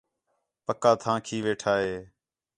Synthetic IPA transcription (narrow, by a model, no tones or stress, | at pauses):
pəkaːt̪ʰãːkʰiːʋeːʈʰaːɦeː